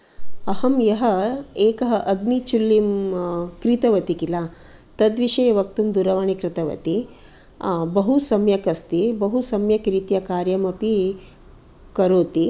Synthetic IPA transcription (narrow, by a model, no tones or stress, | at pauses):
ɐhɐmjɐɦɐeːkɐɦɐʔɐɡnit͡ʃulːimkɾit̪ɐʋɐt̪ikila | t̪ɐd̪ʋiʂɐjɐʋɐk̚t̪umd̪uɾɐʋaɳ̃ikɾɪt̪ɐʋɐ̰t̪i | bɐɦusɐmjɐkɐst̪ibɐɦusɐmjɐkɾiːt̪jɐkaːɾjɐmɐpi | kɐɾoːt̪i